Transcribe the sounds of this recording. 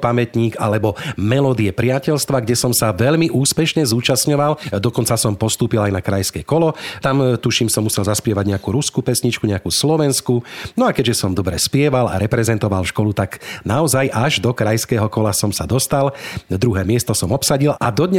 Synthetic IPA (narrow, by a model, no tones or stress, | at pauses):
pamɛt̪ɲiːɡa̰lɛbɔmɛlɔd̪iɛpɾɪacɛʎst̪ʋaɡɟɛsɔmsaʋɛʎmiʔuːspɛʃɲɛzuːt͡ʃasɲɔʋald̪ɔkɔnt͡sasɔmpɔst̪uːpilajnakɾajskɛkɔlɔt̪amt̪uʃiːmsɔmːusɛlzaspɪɛʋaɟɲɛakuːɾuskuːpɛsɲit͡ʃkuɲɛakuːslɔʋɛnskunɔakɛʒɛsɔmd̪ɔbɾɛspɪɛʋala̰ɾɛpɾɛzɛnt̪ɔʋalʃkɔlut̪aɡnaɔzajʔaʒd̪ɔkɾajskɛːɦɔkɔlasɔmsad̪ɔst̪ald̪ɾuɦɛːmɪɛst̪ɔsɔmɔpsaɟila̰d̪ɔd̪ɲɛ